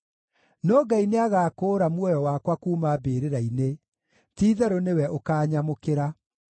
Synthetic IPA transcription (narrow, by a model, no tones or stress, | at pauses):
nɔːɡaineaɣaːkoːɾamwɔjɔwaːkwakuːmaːbeːɾeɾaine | tiːðɛɾonewɛʔokaːɲamokeɾa